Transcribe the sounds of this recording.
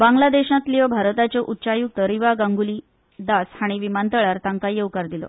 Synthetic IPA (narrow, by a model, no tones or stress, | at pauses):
baŋɡlad̪eɕãt̪liʋəbʱaɾət̪at͡ɕəʔutːɕajuk̚t̪əɾiʋaɡaŋɡuliː | d̪ashaɽ̃iʋimant̪əɭaɾt̪aŋkajeukaɾd̪ilo̰